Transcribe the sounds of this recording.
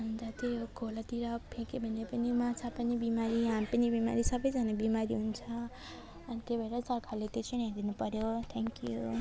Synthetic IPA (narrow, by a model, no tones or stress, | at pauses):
nd͡zʌt̪eɡʱolat̪iɾʌpʰẽkebʱʌnːepʌnimat͡sʰapʌnibimaɾiɦamipʌnibima̰ɾisʌbʌjd͡zanabimaɾiɦunt͡sʰʌː | nit̪jobʱaeɾʌsʌrkʰalet̪et͡sʰiɽ̃jad̪inupʌɾjot̪ʰɛŋkju